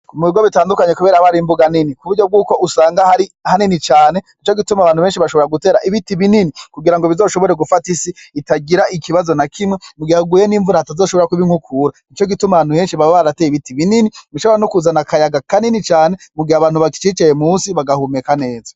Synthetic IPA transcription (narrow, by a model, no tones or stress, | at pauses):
umuiɡoβitaːndukaɲe̞kuβe̞ːɾaβaɾimbuɡaninikuβuɾɟo̞b̚ɡuːko̞ʔusaːŋɡahaɾihaninit͡ʃaːne̞nit͡ʃoɡitumaβaːnhuβe̞ːnʃiβaʃoβo̞ɾaɡute̞ːɾaʔiβitiβininikuɡiɾaŋɡoβizo̞ːʃo̞βo̞ɾe̞ɡufatisiitaɡiɾaʔikʰiβazo̞nakʰimŋemuɡihauɡujeniːɱvuɾahatazo̞ːʃoo̞ɾakuβiŋukʰuɾanit͡ʃo̞ɡitumaβaːn̥uhe̞ːnʃiβaweβaɾatejiβitiβininimiʃoɾanukuzanakajaɡakaninit͡ʃaːnemuɡihaβaːnhuβaki̥t͡ʃit͡ʃaje̞muːnsiβaɡahumekane̞ːza